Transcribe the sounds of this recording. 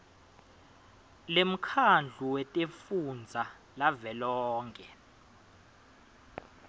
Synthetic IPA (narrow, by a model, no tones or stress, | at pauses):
lem̩kʰand͡ɮʱuwɛtʼefund͡zʱa | lavɛlɔːŋkʼɛ